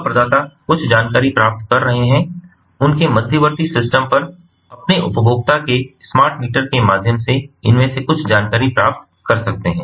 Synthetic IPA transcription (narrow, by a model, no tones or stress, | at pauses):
pɾɐd̪aːt̪akʊt͡ʃʰd͡ʒaːnkaːɾipɾaːp̚t̪̚kɐɾːɐɦeɦɛ̃ | ʊnkemɐd̪ʱjəʋəɾt̪isɪsʈəmpɐɾ | ɐpneʔʊ̰pəbʱoːɡ̚t̪akesmaːɾʈmiːʈəɾkemaːd̪ʱjəmseɪnmẽsekʊt͡ʃʰd͡ʒaːnkaːɾipɾaːp̚t̪ | kɐɾsɐk̚t̪eɦɛ̃ː